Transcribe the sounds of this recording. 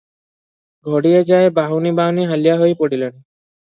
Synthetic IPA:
ɡʱoɽijed͡ʒaebaɦunibaɦniɦalijaɦojpoɽilen

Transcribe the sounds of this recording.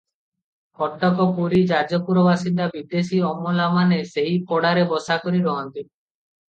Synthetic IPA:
kɔʈːɔkɔpuɾid͡ʒad͡ʒɔpuɾɔbasind̪abid̪esiɔmɔlamaneseɦipɔɽaɾebɔsakɔɾiɾɔɦɔnt̪i

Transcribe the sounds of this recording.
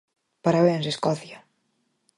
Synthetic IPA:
paɾaβenseskɔθja

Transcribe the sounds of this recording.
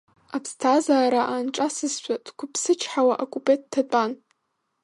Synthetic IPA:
apʰstʰazaːɾaʔanʈ͡ʂʼasɨzʃʷadkʷʰʊpʰsɨt͡ʃʰħawaʔokʼupʼet̚tʰːat͡pʼan

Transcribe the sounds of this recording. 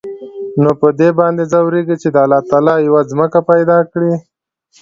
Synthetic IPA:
nopəd̪ebɑnd̪ezawɾeɡit͡ʃed̪əalɑt̪ɑlɑjawazməkapajd̪ɑkɽi

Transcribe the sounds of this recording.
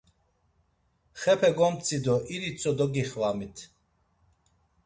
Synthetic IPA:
χɛpʰɛɡɔmt͡sʰʼid̪ɔʔiɾit͡sʰʼɔd̪ɔɡiχvamit̪ʰ

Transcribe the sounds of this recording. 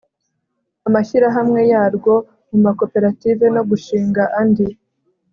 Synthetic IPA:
amaʃiɾaɦamŋe̞jaːɾɡo̞ | mumako̞pe̞ɾative̞no̞ɡuʃiːŋɡaʔandi

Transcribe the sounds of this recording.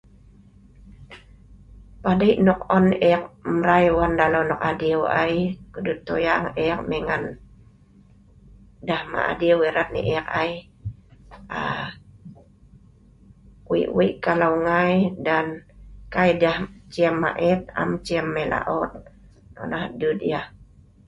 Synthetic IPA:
padaiʔnɔk̚ɔnɛk̚mɾajwandalawnɔkadioa̰jkədut̪ojaŋek̚meŋan | dahma̰ʔa̰diaweɾat̪̚nḭʔɛk̚aj | a | wḭʔwiʔkalawŋajdankajdaht͡ʃiamːa̰ʔɛt̪̚a̰mt͡ʃiamːela̰ʔɔt̪̚ | nɔ̰nahdud̪ja

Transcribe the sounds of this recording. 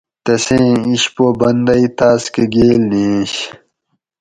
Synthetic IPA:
t̪ɐsẽːiɕpobɐnd̪ɐit̪aːskeɡeːlnẽːɕ

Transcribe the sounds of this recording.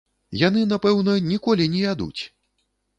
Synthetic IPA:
jan̪ɨnapɛwnɐnʲikɔlʲinʲɛjʲad̪ṵt͡sʲ

